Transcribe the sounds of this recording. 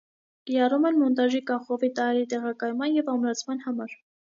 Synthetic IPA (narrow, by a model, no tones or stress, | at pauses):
iɾɑrumɛnmɔnt̪ɑʒikɑχɔvit̪ɑɾɛɾit̪ɛʁɑkɑjmɑnjɛvɑmɾɑt͡sʰmɑnhɑmɑɾ